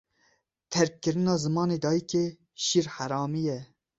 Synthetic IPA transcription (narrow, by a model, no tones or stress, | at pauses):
t̪ʰɛɾkkːɨɾɨnɑːzɨmɑːneːd̪ɑːjikeː | ʃiːɾħaɾɑːmijɛ